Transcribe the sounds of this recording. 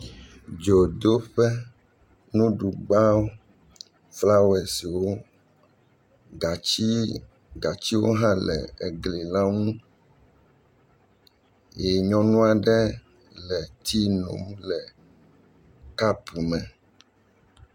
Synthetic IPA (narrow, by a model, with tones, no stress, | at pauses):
d͡ʒo˨d̪o˦ɸɛ˦ | nũ˦ɖu˨ɡ͡ba˦o˦ | fla˦wɛ˨si˨wo˦ | ɡa˨i˦ | ɡa˨t͡ɕi˦wo˦ɦã˦lɛ̰˨e˨ɡle˨la˦ŋũ˦ | je˨ɲɔ̃˦nũ˦a˨ɖɛ˦ | lɛ˨t̪ʰi˦nõ̰˨m˦lɛ˨ | ka˦pu˨mɛ̃˨